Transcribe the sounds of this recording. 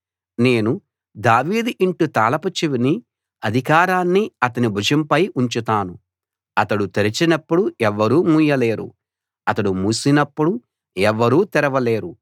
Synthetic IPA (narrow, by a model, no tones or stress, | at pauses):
ne̞ːnu | d̪aːʋiːd̪iɳʈut̪aːlɐpɐt͡ʃiʋini | ɐd̪ʱikaːɾaːnːiɐt̪ɐnibʱud͡ʒɐmpɐjuɲt͡ʃut̪aːnu | ɐt̪ɐɽut̪eɾit͡ʃinɐpːuɽuɛʋːɐɾuːmujɐleːɾṵ | ɐt̪ɐɽumuːsinɐpːuɽu | ɛʋːɐɾuːt̪ɛɾɐʋɐle̞ːɾu